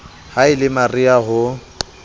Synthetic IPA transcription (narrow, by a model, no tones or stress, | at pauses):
haɪlɪmariaɦʊ